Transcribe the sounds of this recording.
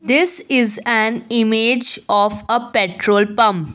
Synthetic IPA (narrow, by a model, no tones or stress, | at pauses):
d̪ɪsɪzænɪmed͡ʒɔfəpeʈɾoːlpʌ̃m